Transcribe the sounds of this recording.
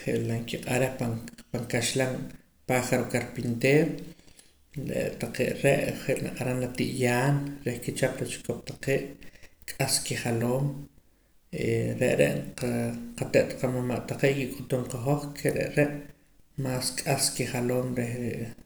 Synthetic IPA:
χeʔlaŋkiqʼaɾehpapaŋkaʃlaŋ | paχaɾokaɾpint̪eːɾ | ɾḛʔt̪aqeːʔɾeʔχeʔna̰qʼaɾanlat̪iʔjaːnɾehkit͡ʃaplat͡ʃi̥kop̚t̪aqeːʔkʼaskiχaloːm | ḛɾeʔɾḛʔqaqat̪eʔt̪ḁqamamaʔt̪aqeːʔkikʼut̪umqaχoχkʰeɾḛʔɾeʔ | maːskʼaskiχaloːmɾehɾeʔ

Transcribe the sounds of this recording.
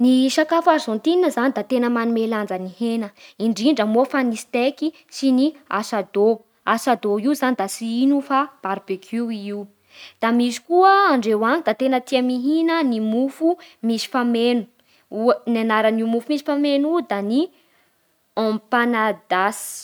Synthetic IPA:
niʃakafazɔnt̪ininəzanid̪at̪enəmanumeland͡zənihenəiɳɖ͡ʐiɳɖ͡ʐəmofanist̪eki | siniasad̪o | asad̪oiuzanid̪asiinufab̥aɾbekʰuiw | d̪̥amisi̥kuəaɳɖ͡ʐewanid̪at̪enət̪iamiɦinənimufumisi̥famenu̥ | unanaɾanumufumisi̥famenud̪ani | ɔ̃mpanad̪asi̥

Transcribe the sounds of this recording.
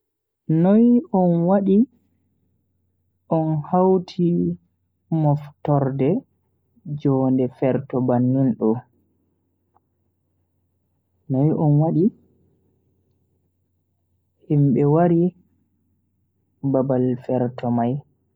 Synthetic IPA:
nɔjɔnwaɗi | ʔɔnhawtʰi | mɔftɔɾdɛ | d͡ʒɔndɛfɛɾtɔbanːunɗɔ | nɔjʔɔnwaɗi | himɓɛwaɾi | babalfɛɾtɔmaj

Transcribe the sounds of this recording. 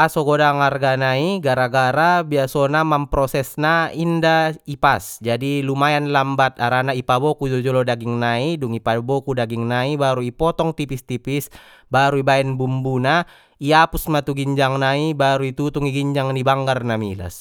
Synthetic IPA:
asɔɡɔdaŋarɡanaiɡaɾaɡaɾabiasɔnamampɾɔsɛsnaindaipasd͡ʒadilumajanlambat̪aɾanaipabɔkud͡ʒɔd͡ʒɔlɔdaɡiŋnaiduŋipabɔkudaɡiŋnaibaɾuipɔt̪ɔŋt̪ipist̪ipis | baɾuibaɛnbumbuna | iapusmat̪uɡiɲd͡ʒaŋnaibaɾuit̪ut̪uŋiɡiɲd͡ʒaŋnibaŋɡarnamḭla̰s

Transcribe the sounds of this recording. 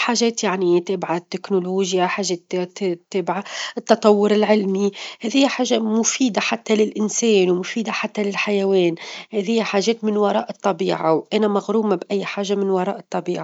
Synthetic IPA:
ħaːʒeːt̪jaʕnit̪ɪbʕat̪ːɪknoloːʒjaħaːʒeːt̪t̪ːɪbʕaʔɪt̪ːɑt̪ˤɑwːʊɾɪlʕɪlmihɛːðɪjːħaːʒːamʊfiːd̪aħat̪ːalɪlʔɪnsɛːnwmʊfiːd̪aħat̪ːalɪlħajaweːnhɛːðɪjːħaːʒeːt̪mɪnwɑɾˤɑ̰ːʔɨt̪ˤːɑbiːʕa̰wʔanamaɣɾuːmabʔajːħaːʒamɪnwɑɾˤɑːʔɨt̪ˤːɑbiːʕa

